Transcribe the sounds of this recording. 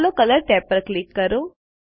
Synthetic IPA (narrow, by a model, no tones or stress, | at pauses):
lokələɾʈɛpːəɾklikːəɾo